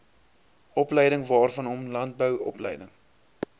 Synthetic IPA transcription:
ʔɔplɛjdəŋvɑːrfɐnɔmlɐnt̚bəwɔ̰plɛ̰jdəŋ

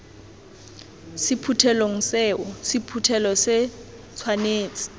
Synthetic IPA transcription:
sɪpʰutʰɛloŋ̩sɛːʊsɪpʰutʰɛlɔsɪ | t͡sʰwaneːt͡sʼɪ̥

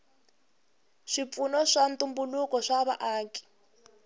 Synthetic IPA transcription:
ʂip̪funɔʂantʼumbulukɔʂaβaʔaːki̥

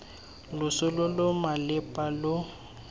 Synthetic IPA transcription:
lʊsʊlʊlʊmalɪpʼalʊ

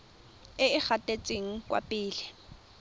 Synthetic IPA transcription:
ɪɪk͡xʰatʼet͡sʼeŋ̩kwa̰pʼɪːlɪ

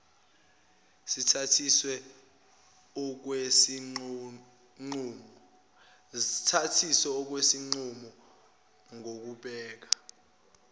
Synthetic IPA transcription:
sitʰatʰiswɛ | ɔk̬wesi | ŋ͡ǀumɔ | tʰatʰisɛɔk̬wesiŋ͡ǀumɔ | ŋok̬uɓɛːk̬ḁ

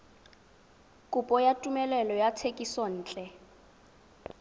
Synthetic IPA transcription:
kʼupʼɔjatʼumɛlɛlɔjatʰekʼisɔn̩ːt͡ɬʼɛ

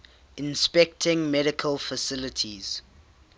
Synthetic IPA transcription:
ɪ̃nspɛk̚tʰɪ̃ŋmɛɾɪkʰəlfəsɪlətʰiz̥

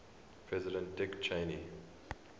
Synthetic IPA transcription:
pʰɹɛzɪdə̃nt̚dɪkt͡ʃʰẽni

